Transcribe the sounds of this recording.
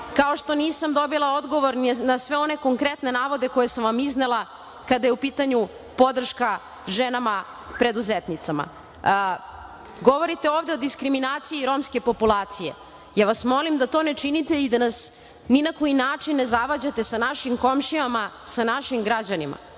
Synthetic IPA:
kao̞ʃt̪o̞niːsamd̪o̞bilˠao̞d̪ɡo̞ʋo̞ɾnnasʋe̞o̞ne̞ko̞ŋkɾe̞t̪ne̞naːʋo̞d̪e̞ko̞jesamʋamizne̞lˠa | kad̪ajeupiːt̪aɲu | po̞d̪r̩ʃka | ʒenama | pɾe̞d̪uzet̪nit̪sama̰ | ɡo̞ʋo̞ɾit̪eoːvd̪e̞o̞d̪iskɾiminaːt̪sijiɾo̞mske̞po̞pulˠaːt̪sije̞̰ | jaːʋasmo̞limd̪at̪o̞ːne̞t͡ʃinit̪eid̪anas | ninako̞jinaːt͡ʂinːezaʋad͡ʑat̪e̞sanaʃimko̞mʃiama | sanaʃimɡɾad͡ʑanima̰

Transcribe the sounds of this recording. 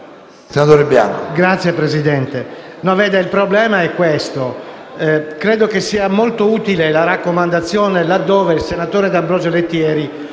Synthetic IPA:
senat̪oːɾebja̰no̰ɡɾat̪sːjepɾezid̪ɛnt̪e | nɔvɛːd̪eilpɾoblɛːmaɛkːwest̪o | kɾeːd̪okesːiːamolt̪ouːt̪ilelaɾakːomand̪at̪sːjoːnelad̪ːoːveilsenat̪oːɾed̪abɾozolet̪ːjɛːɾi

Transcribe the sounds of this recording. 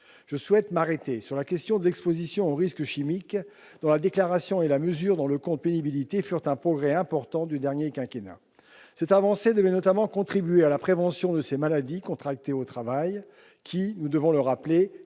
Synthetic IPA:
ʒ̥əswɛt̪maʁet̪esyʁlakʲɛst̪jɔ̃d̪əlɛkspozisjɔ̃oʁiskəʃimik | d̪̥ɔ̃lad̪eklaʁasjɔ̃elaməzyːʁd̪ɑ̃ləkɔ̃t̪̚penibilit̪efyʁt̪ɛ̃pχɔɡʁɛɛ̃pɔʁt̪ɑ̃d̪yd̪ɛʁnjekʲɛ̃kʲenɛ̰̃ | sɛt̪avɑ̃sed̪əvɛnɔt̪amɑ̃kɔ̃t̪χibyɥealapχevɑ̃sjɔ̃d̪əsemalad̪ikɔ̃t̪χak̚t̪eot̪χavaj | kʲʰinud̪əvɔ̃ləʁaple

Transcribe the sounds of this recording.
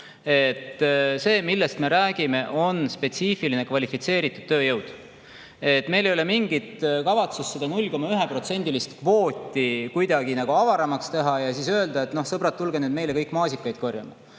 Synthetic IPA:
e̞t̪ːse̞ːmilːest̪me̞ɾæːɡ̥ime̞ʔo̞nspe̞t̪siːfiline̞kvɑlifit̪se̞ːɾit̪ːˑud̪̥t̪ːø̞ːjɤwd̪̥ | e̞t̪ːˑme̞jlejo̞lemiŋɡit̪kɑvɑt̪sust̪sed̪ɑnulʲko̞mɑyɦepro̞t̪se̞nʲd̪̥ilist̪kvo̞ːt̪ʲːikujd̪̥ɑɡ̥inɑɡ̥uɑvɑɾɑmɑkst̪e̞ɦɑjɑsiːsøe̞ld̪ɑet̪no̞hsɤbrɑt̪ːulɡ̥enyːd̪me̞jle̞kɤjkːmɑːsikːˑɑjd̪̥ko̞rjɑ̰mɑ̰

